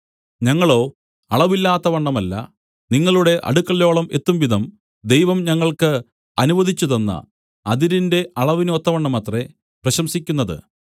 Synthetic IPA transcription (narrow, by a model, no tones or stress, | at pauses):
ɲɐŋːɐɭo̞ː | ɐɭɐʋilːaːt̪ːɐʋɐɳːɐmɐlːɐ̰ | niŋːɐɭuɽe̞ʔɐ̰ɽukːɐɭːo̞ːɭɐme̞t̪ːumʋid̪ʱɐm | d̪e̞jʋɐmɲɐŋːɐɭkɨ | ɐnuʋɐd̪ʱit͡ɕːuðɐnːɐ̰ | ɐðiɾinde̞ʔɐɭɐʋinot̪ːɐʋɐɳːɐmɐt̪re | prɐɕɐmsikʲːun̪ːɐðɨ̰